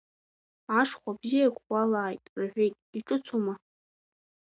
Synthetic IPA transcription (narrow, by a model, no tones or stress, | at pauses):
aʂχʷabzijakʷʰalaːjtʼrħʷᶣejtʼiʈ͡ʂʼɨt͡sʰuma